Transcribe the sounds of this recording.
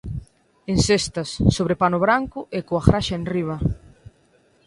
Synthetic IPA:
ensest̪ɐsːoβɾepanʊβɾaŋkʊʔekoafɾaʃɐenriβ̞ɐ

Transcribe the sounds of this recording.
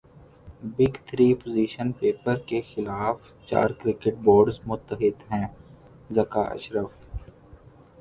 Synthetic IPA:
bɪɡt̪ʰɾiːpoziːʃənpeːpəɾkexɪlaːf | t͡ʃa̰ːɾkɾɪkɪʈ̚boːɾɖzmʊt̪ːəɦɪd̪ɦɛ̃ː | zɐkaːʔɐ̰ʃɾəf

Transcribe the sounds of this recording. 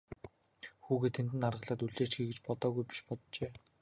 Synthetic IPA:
xuːɣeːt̪ʰent̪̬ɘ̆narʁə̆ɮaːt̪uɮeːt͡ɕɡiːɡet͡ɕpɔt̪ɔːɣujpi̥ʃpɔt̪t͡ɕeː

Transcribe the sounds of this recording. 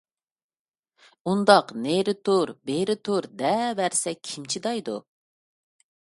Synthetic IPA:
und̪ɑqneɾɪt̪ʰuɾbeɾɪt̪ʰuɾd̪ɛbæɾsɛkʲʰimt͡ʃʰid̪ɑjd̪ṵ

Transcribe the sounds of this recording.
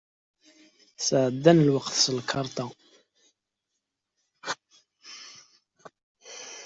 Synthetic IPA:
sʕəd̪ːænəlwəqθsəlkʰɑɾˤt̪ˤɑ

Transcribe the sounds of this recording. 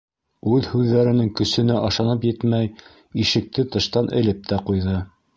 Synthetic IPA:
ʉðhʉðːæɾɘ̆nɘŋkɵ̆sɵ̆nɘʔɑʃɑnɤpjɘt̪mæj | iʃɘ̆k̚t̪ɘt̪ɤ̆ʃt̪ɑnʔɘ̆lɘp̚t̪ʰæqujðɤ

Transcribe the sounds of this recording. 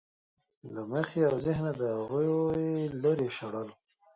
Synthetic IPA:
laməxeawzɪɦnad̪əaɣujojləɾeʃaɽalu

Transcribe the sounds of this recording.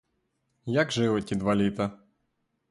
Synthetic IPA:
jaɡʒɪʋɪtʲid̪ʋalʲit̪ɐ

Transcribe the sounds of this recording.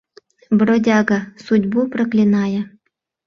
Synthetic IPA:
brodʲɑɡɑsudʲbuprɤ̆klʲinɑjɤ̆

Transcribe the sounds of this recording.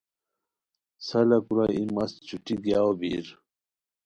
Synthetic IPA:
sɐlɐkuɾaimɐst͡ɕʰuʈiɡjaːobiɾ

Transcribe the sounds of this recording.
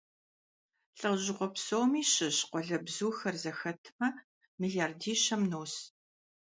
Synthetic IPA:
ɬʼɐʁʑɪʁʷɔpsowmiːɕɪɕqʷɔɮɐbzuːxɐrzɐxɐtʰmɐ | miɮiaːrdiːɕɐmnoːs

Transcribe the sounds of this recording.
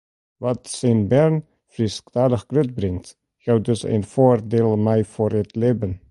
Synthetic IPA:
ʋɑtsɛnbɛɹn | frisktaːdəχkrøt̚brɪŋt | jaw̚dɵsḛnfoːrdeːlˠmɛjfoːrətlebən

